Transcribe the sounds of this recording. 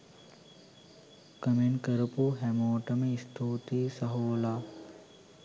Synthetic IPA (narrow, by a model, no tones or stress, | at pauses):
kɐmenkɐɾɐpuɦɛmoːʈɐmeist̪ʰoːt̪iːsɐɦoːlaː